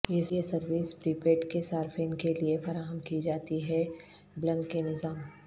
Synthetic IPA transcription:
jesesɐɾʋiːspɾiːpeːʈkesaːɾfenkeliefɐɾaːɦəmkid͡ʒaːt̪iɦɛ | blɐ̃ŋkːenɪzaːm

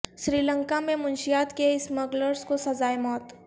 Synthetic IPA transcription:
ʃɾiːlə̃ŋkamẽmʊ̃nʃijaːt̪keɪsmɐɡləɾskosɐzaːemɔːt̪

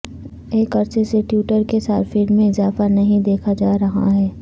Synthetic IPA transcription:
eːkɐɾseseʈjuːʈəɾkesaːɾfeːnmẽɪzaːfanɐɦĩd̪eːkʰad͡ʒaːɾɐɦa̰ɦɛː

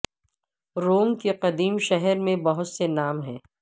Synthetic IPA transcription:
ɾoːŋkeqɐd̪iːmʃɛɦɛɾmẽbɐɦʊt̪senaːmɦɛ̰̃ː

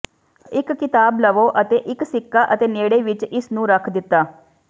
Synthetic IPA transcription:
ɪkːɪt̪aːbləʋoːʔət̪eːʔɪksɪkːaːʔət̪eːneːɽeːʋɪt͡ʃɪsnũːɾəkʰd̪ɪt̪ːaː

